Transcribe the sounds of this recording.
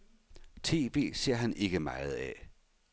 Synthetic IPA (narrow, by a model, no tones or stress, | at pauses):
t͡sʰe̝̰ːʋ̥e̝̰ːse̝ɐ̰ɦænʔe̝ɡ̥əmɑ̈ɪð̞̩ˠɛ